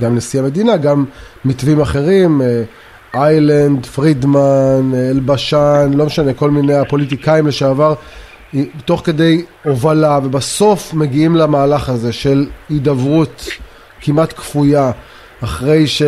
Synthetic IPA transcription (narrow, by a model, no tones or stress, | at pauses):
ɡamlesiame̞dinaɡamː | itvimaχe̞ʁime | ajland̪fʁid̪manelbaʃanlomeʃaneko̞lminejapo̞lit̪̬ikaimleʃeavaʁ | t̪o̞χke̞d̪e̞jo̞valave̞baso̞fme̞ɡiimlamaːlaχaze̞ʃe̞lid̪avʁut | kimat̪kfujaː | χʁe̞jʃe